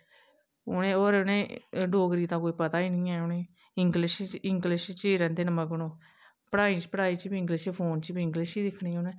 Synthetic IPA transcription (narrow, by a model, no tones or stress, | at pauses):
ʊnẽːoːɾnẽːɖoːɡɾiːt̪ãːkoːiːpət̪aːiːnĩːɛːʊnẽː | ɪŋɡlɪʃɪŋɡlɪʃt͡ʃeːɾɛ̃ːd̪eːnəməɡnõː | pəɽaːiːt͡ʃpəɽaːiːt͡ʃːbiɪŋɡlɪʃpʰoːnt͡ʃːbiːɪŋɡlɪʃiːd̪ɪkʰːɳiːʊnẽː